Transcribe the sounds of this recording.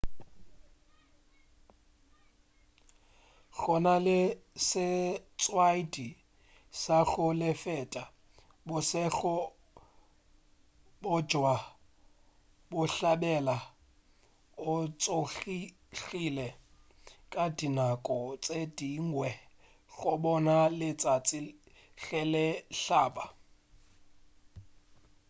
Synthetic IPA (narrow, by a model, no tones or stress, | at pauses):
ɣɔnalɪsɪt͡sʼwaidi | saxʊlɪfɛtʼa | bʊsɛxʊ | bʊ̥d͡ʒʱwa | bʊɬaɓɛla | ʊt͡sʼoi | ɬilɛ | kʼadinakʼɔt͡sʼed̥iŋɡwɛ | ɣʊɓɔnalɪt͡sʼat͡sʼɪ | ɣɛlɛɬaːɓa